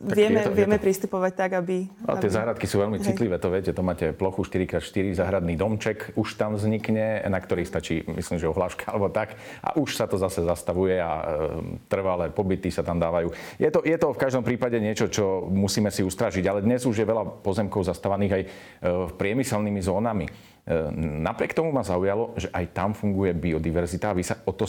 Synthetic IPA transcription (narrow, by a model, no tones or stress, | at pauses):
aɪɛmɛʋɪɛmɛpɾist̪upɔʋac̚t̪aɡabḭɪɛzaɦɾat̪kisuːʋɛʎmit͡sit̪liʋɛːt̪ɔʋɪɛcɛt̪ɔmaːcɛplɔxuʃt̪iɾikɾaːt̪ʃt̪iɾizaːɦɾad̪nid̪ɔmt͡ʃɛkuʃt̪amvzɲikɲɛnakt̪ɔɾiːxst̪at͡ʃiːmḭslimʒɛɔɦlaːʃkḁalɛbɔt̪ak | ʔa̰ʔuʃsat̪ɔzasɛzast̪aʋujɛa | t̪r̩ʋalɛːpɔbit̪isat̪amd̪aːʋajuː | jɛt̪ɔjɛt̪ɔfkaʒd̪ɔmpɾiːpaɟɛɲɪɛt͡ʃɔt͡ʃɔmusiːmɛsiust̪ɾaʒiɟalɛd̪ɲɛzuʒjɛʋɛlapɔzɛmkɔʊzast̪aʋaniːɣaj | pɾɪɛmisɛlnimizɔːnami | napɾɪɛkt̪ɔmumazaujalɔʒɛʔajt̪amfuŋɡujɛbiɔd̪iʋɛɾzit̪aːʋisaɔt̪ɔ